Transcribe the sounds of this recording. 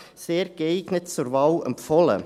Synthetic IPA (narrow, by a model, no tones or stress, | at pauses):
seːɾɡɛɪɡ̥nətt͡sʊɾvɑwɛ̰mpfɔlə̰